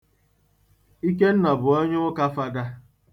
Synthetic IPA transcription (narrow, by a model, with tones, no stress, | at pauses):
i˦ke˦n̩˦na˨bʊ˨o˦ɲʊ˦ʊ˦ka˦fa˦da˦